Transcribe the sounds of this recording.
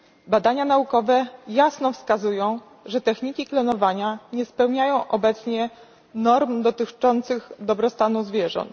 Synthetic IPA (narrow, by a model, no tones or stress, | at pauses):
bad̪aɲanaukɔvɛjasnɔfskazujɔ̃w̃ | ʐɛt̪ɛxɲikʲiklɔnɔvaɲaɲɛspɛwɲajɔ̃w̃ʔɔbɛt̪sɲɛ | nɔɾmd̪ɔt̪ɘt͡ʂɔnt̪sɘɣd̪ɔbɾɔst̪anuzvʲjɛʐɔ̰nt̪